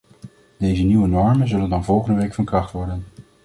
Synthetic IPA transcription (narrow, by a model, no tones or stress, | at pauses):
d̥ejzəniʋənɔɹmənzɵləndɑnvɔlˠχəndəʋejkfɑnkrɑχtʋɔɹdən